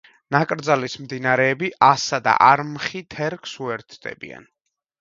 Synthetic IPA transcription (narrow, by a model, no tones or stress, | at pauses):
nakʼɾd̪zalismd̪inaɾɛːbiʔasad̪a̰ʔaɾmχit̪ʰɛɾkʰsuɛɾt̪ʰd̪̥ɛ̰bḭa̰n